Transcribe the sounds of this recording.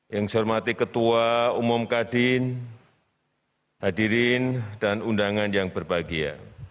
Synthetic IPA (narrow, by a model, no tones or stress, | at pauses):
jaŋsɔrmat̪ikət̪uaumʊmkadɪn | hadiɾɪndanundaŋanjaŋbərbaɡia̰